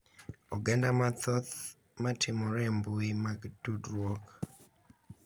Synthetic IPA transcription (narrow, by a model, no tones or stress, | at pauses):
ɔɡandamat̪ɔt̪ | matʰɪmɔɾɛmbuimaɡdudɾwɔk